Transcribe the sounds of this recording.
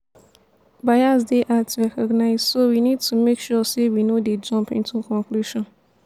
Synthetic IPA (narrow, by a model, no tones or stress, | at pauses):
bajazdeʔatʰɛkʰɔɡnaɪz̥sowinid̚tʰumekʃɔsewinoded͡ʒɔ̃mpɪ̰̃ntʰũkʰɔ̃ŋkʰluʃɔ̃n